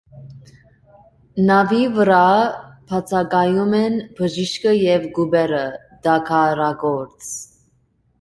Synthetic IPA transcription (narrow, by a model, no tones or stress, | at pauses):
nɑvivəɾɑpʰɑt͡sʰɑɡɑjumɛnbəʒiʃkəjɛvɡubɛɾə | d̪ɑkʰɑɾɑɡɔɾt͡s